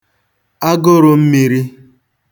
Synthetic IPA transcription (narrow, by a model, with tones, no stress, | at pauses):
a˦ɡo˦ɾo˨m̩˦mi˨ɾi˦